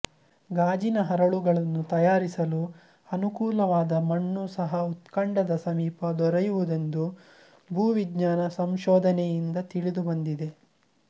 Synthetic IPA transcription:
ɡaːd͡ʒinɐɦɐɾɐɭuɡɐɭɐnːut̪ɐjaːɾisɐlu | ɐnukuːlɐʋaːd̪ɐmɐɳːusɐɦɐut̪kɐɳɖɐd̪ɐsɐmiːpɐd̪ɔɾɐjuʋud̪end̪u | bʱuːʋiɡɲaːnɐsɐmʃɔːd̪ʱɐnɛjind̪ɐt̪iɭid̪ubɐnd̪id̪e̞

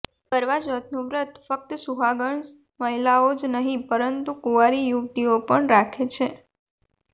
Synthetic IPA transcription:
pəɾʋad͡ʒət̪nuʋɾət̪fək̚t̪suɦaɡəɳs | məɦilaod͡ʒnəɦĩpəɾənt̪ukuʋaɾijuʋt̪iopəɳɾakʰet͡ʃʰe

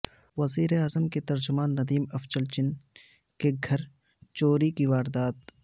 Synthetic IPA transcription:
wɐziːɾeaːzəmket̪ɐɾd͡ʒʊmaːnːɐd̪iːmɐft͡ʃɐlt͡ʃɪn | keɡʱɐɾ | t͡ʃoːɾikiʋaːɾd̪aːt̪

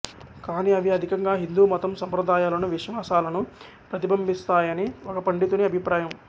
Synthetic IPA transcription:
kaːniɐʋiɐd̪ʱikɐŋɡaːɦind̪uːmɔt̪ɐmsɐmpɾɐd̪aːjaːlɐnuʋiʃʋaːsaːlɐnu | pɾɐt̪ibʱɐmbist̪aːjɐniɔkɐpɐɳɖit̪uniɐbʱipɾaːjɐm

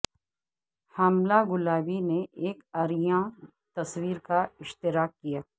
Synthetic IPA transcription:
haːmlaɡʊlaːbineʔeːkaːɾijã | t̪ɐswiːɾkaɪʃt̪ɪɾaːkːijaː

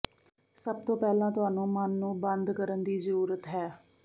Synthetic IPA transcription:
səb̚t̪õːpɛːlãːt̪ʊaːnũːmənːũːbənd̪kəɾənd̪iːzəɾuːɾət̪ɦɛː

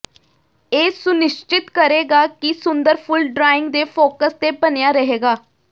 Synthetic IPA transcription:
esuniɕt͡ɕit̪kəɾeɡakiːsund̪əɾfulɖɾaiŋɡd̪efokəst̪ebənjaɾəɦeɡa

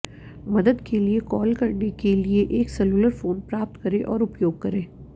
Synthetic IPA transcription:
mɐd̪əd̪keliekɔːlkɐɾnekelieʔeːksɛluləɾfoːnpɾaːp̚t̪kɐɾẽʔɔːɾʊpjoːɡ̚kɐɾẽː

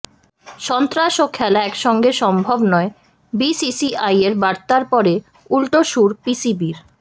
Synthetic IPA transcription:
ʃɔnt̪ɾaʃokʰɛlaɛkʃɔŋɡeʃɔmbʱobnɔe | bisisiʔajeɾbaɾt̪aɾpɔɾe | ulʈoʃuɾpisibiɾ

